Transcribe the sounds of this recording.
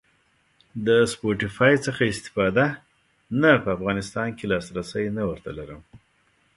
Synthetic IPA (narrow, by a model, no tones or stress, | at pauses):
d̪əspoʈɪfɑjt͡səxaɪst̪ɪ̥fɑd̪a | napəafɣɑnɪst̪ɑnkelɑsɾasəjnawəɾt̪a̰laɾəm